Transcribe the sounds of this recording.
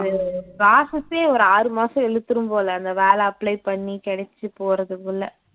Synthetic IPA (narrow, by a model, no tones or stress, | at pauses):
ɐðɯbaːsɐseːɔɾɯaːɾɯmaːsɐ̃ɛɻɯt̪ːɯɾɯmpoːlɐɐnd̪ɐʋeːlɛɐpːlɐɪpɐɳːikɛɽɛt͡ʃːɯpoːɾɐðɯkːɯɭːɐ